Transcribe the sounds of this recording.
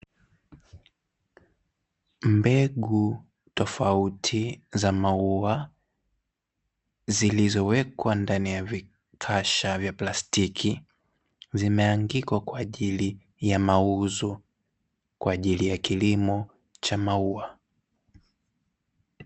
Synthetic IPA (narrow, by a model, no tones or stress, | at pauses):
mbɛɠu | tɔfautʰizamaua | zilizɔwɛkwandanijavi | kʰaʃavjaplastikʰi | zimɛaŋɡikwakwaːʄili | jamauzɔ | kwaːʄilijakilimɔ | t͡ʃamaua